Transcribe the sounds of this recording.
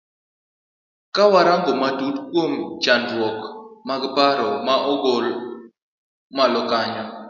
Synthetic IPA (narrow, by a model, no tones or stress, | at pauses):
kawaɾaŋɡomadutkwomt͡ʃandwɔkmaɡbaɾɔmaʔɔɡol | malɔkaɲɔ